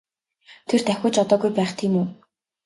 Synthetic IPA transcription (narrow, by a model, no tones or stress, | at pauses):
t̪ʰert̪æxʲʊːt͡ɕɔt̪ɔːɣujpæːχt̪ʰiːmuː